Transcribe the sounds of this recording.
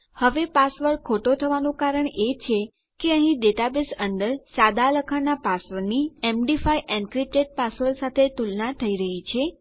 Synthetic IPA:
həʋepasʋəɽkʰoʈot̪ʰəʋanũkaɾəɳet͡ʃʰe | keəɦĩɖeʈabesənd̪əɾsad̪ʱaləkʰanapasʋəɾniemɖifajʔɛ̃ɳkɾip̚ʈeʈ̚pasʋəɾsat̪ʰet̪ulnat̪ʰəiɾəɦit͡ʃʰe

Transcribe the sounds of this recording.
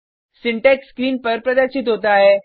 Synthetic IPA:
siɳʈekskɾiːnpəɾpɾəd̪aɕid̪od̪aːɦe

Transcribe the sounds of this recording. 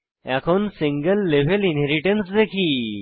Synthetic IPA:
akʰonsĩŋɡəlːeʋ̤ʱelinɦeɾiʈənsd̪ekʰiː

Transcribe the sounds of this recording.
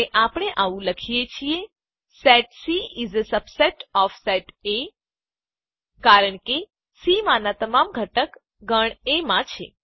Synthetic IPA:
eʔapɽ̃eʔaʋũləkʰijet͡ʃʰie | sɛʈsiizəsəbseʈɔfseʈe | kaɾəɳke | simãnat̪əmamɡʱəʈək | ɡəɳemãt͡ʃʰḛ

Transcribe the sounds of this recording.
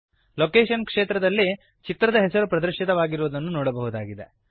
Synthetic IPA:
loːkeːʃɐnkʂeːt̪ɾɐd̪ɐlːi | t͡ʃit̪ɾɐd̪ɐɦɛsɐɾupɾɐd̪ɐɾʃit̪ɐʋaːɡiɾuʋud̪ɐnːunoːɽɐbɐɦud̪aːɡid̪e

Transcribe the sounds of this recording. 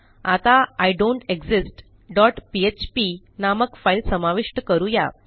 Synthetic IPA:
at̪aajɖõɳʈeɡsisʈ | ɖɔʈpiet͡ɕpi | naməkfailsəmaʋiʂʈəkəɾuja

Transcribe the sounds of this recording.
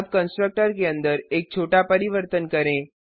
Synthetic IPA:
bkənsʈɾək̚ʈəɾk̬eənd̪əɾek̚t͡ɕʰoʈapəɾiʋəɾt̪ənkəɾẽ

